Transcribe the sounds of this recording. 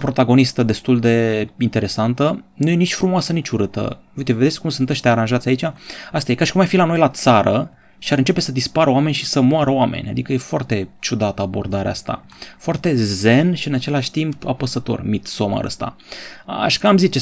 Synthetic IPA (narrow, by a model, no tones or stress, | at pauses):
pɾo̞t̪aɡo̞nist̪əd̪e̞st̪uld̪e̞int̪e̞ɾe̞sant̪ənuje̞nit͡ʃʲfɾumoasənit͡ʃʲuɾɨt̪ə̰vujt̪eve̞d̪esʲkumsɨnt̪əʃʲt̪eaɾanʒat̪sʲait͡ʃʲaast̪ajekaʃi̥kumarfilano̞jlat̪saɾʔə | ʃiaɾɨnt͡ʃe̞pe̞səd̪ispaɾəoame̞nʲʃisəmoaɾəowamḛnʲa̰d̪ikəje̞foart̪e̞t͡ʃud̪at̪əabo̞̰rd̪aɾḛast̪a̰ | foart̪e̞ze̞nʃiɨnat͡ʃe̞laʃʲt̪impapəsət̪o̞̰rmit̪so̞ma̰ɾʔə̰st̪a̰ | a̰ʃkəamzit͡ʃe